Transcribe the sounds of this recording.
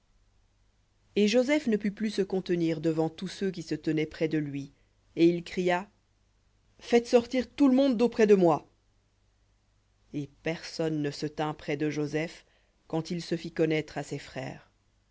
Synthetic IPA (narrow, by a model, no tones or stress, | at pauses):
eʒozɛfnəpyplysəkɔ̃t̪əniʁd̪əvɑ̃t̪usøk̬ʲisət̪ənɛpχɛd̪əlɥi | eilkχija | fɛt̪sɔʁt̪iʁt̪uləmɔ̃d̪opχɛd̪əmwa | epɛʁsɔnːəsət̪ɛ̃pχɛd̪əʒozɛf | kɑ̃t̪ilsəfikɔnɛt̪χasɛfχɛ̰ːʁ